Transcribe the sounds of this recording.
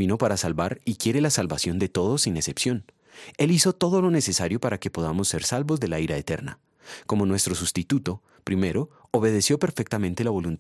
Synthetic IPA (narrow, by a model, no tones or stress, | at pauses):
ino̞paɾasalbaɾikje̞ɾe̞lasalβasjo̞nd̪e̞t̪o̞ðo̞sine̞sepsjo̞n | e̞liso̞t̪o̞ð̞o̞lo̞ne̞se̞saɾjo̞paɾake̞po̞ðamo̞sːe̞ɾsalbozd̪e̞laiɾaet̪e̞ɾna̰ | ko̞mo̞nwe̞st̪ɾo̞sust̪it̪ut̪o̞ | pɾime̞ɾo̞ː | βe̞ð̞e̞sjo̞pe̞ɾfe̞k̚t̪amẽ̞nt̪elaβo̞lunt̪